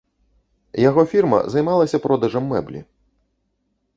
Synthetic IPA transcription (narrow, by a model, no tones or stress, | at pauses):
jaɣɔfʲirmɐ̰zɐjmalˠɐsʲɐpɾʔɔd̪ɐʐɐmːɛ̰blʲḭ